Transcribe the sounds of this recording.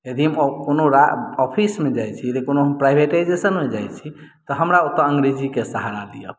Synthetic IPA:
jed̪ʱiɦmkonoɾaɔpʰismed͡ʒajt͡ʃʰijəd̪ikonoɦəmpɾajbʱeʈaid͡ʒesənmed͡ʒajt͡ʃʰit̪ɔɦəmɾaot̪əəŋɡɾed͡ʒikesəɦaɾalijə̰b

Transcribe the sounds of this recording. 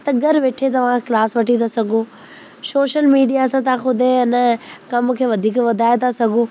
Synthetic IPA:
t̪ɐɡɐɾʋeːʈʰet̪̬ɐʋ̤ãklaːsʋɐʈit̪ʰasɐɡʱoː | soːʃəlmiːɖijasãt̪ãxʊd̪ʱeɪnəkɐmkʰeːʋɐd̪ʱiːkʋɐd̪ʱaːet̪ʰasɐɡʱoː

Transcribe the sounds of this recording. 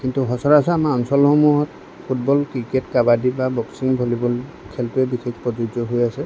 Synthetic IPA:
kintuɦɔsɔɹasɔamaɔnsɔlhɔmuɦɔt | pʰut̚bɔlkɹiketkabadibabɔksiŋbʱolibɔl | kʰɛlpɛbixʰekʰpɹɔd͡ʒud͡ʒɔɦojasɛ

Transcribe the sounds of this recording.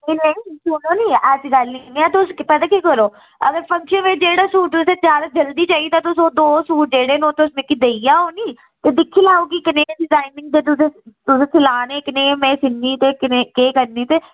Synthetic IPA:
ɪnẽĩsʊnõːniːɛsɡəlniːniːaːt̪eʊspɛt̪aːkiːkəɾoː | əɡəɾpʰə̃ŋkʃənʋed͡ʒeːɽaːsuːʈ̚t̪ʊseːt͡ʃaːɾd͡ʒəld̪iːt͡ʃaːit̪ãːt̪ʊsoːd̪oːsuːʈ̚d͡ʒeːɽeːnõːt̪eʊsmekid̪eijaːoːniː | t̪eːd̪ɪkʰːiːlaːuːɡiːkɪnẽːɖɪzaːɪnɪ̃ŋɡ̚d͡ʒ̪eːt̪ʊsẽt̪ʊsẽːt̪ʰɪlaːneːkɪneːmẽːsɪnːiːt̪eːkɪneːkeːkəɾniːt̪eː

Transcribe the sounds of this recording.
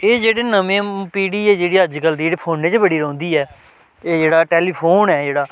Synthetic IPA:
eːd͡ʒeːɽeːnəmẽːpiːɽiːɛːd͡ʒeːɽiːəd͡ʒɡəld̪iːeːɽeːpʰoːnẽːt͡ʃbəɽiːɾə̃ːnd̪iːɛː | eːd͡ʒeːɽaːʈɛːliːpʰoːnɛːd͡ʒeːɽaː

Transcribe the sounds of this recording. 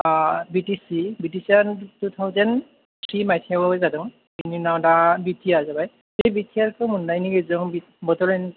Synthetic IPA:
bitisibitisiantut̪ʰawzɔn | tʰɹimajtʰiawɔjzadɔŋ | ininawdabitʰijazabaj | ejbitʰiaɾkɔmunːajniɡezɔŋbi | bɔtɔɹɛn

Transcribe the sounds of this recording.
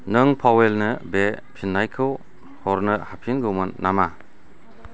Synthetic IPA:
nɯŋpʰawelnɯbepʰinːajkʰɯw | hɔɾnɯhapʰinɡɯwmɯnːama

